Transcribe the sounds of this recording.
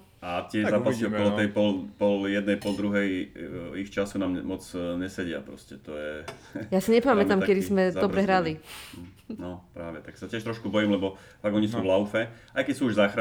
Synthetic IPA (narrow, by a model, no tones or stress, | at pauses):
at̪ɪɛzaːkpasiɔkɔlɔt̪ɛjpɔlpɔljɛd̪nɛjpɔld̪ɾuɦɛjixt͡ʃasunaːmmɔt͡sɲɛsɛɟɪa̰pɾɔ̰scɛt̪ɔjɛ | jasiɲɛpamɛt̪amkɛd̪izmɛɔbɾɛɦɾali | nɔpɾaːʋɛt̪aksacɪɛʃt̪ɾɔʃkubɔjiːmlɛbɔ | faɡɔɲisuːvlaʊfɛajkɛcsuːuʒzaːxɾa